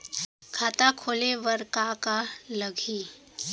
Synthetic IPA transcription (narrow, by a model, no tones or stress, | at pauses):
kʰaːt̪akʰoːleʋəɾkakalɐɡʱi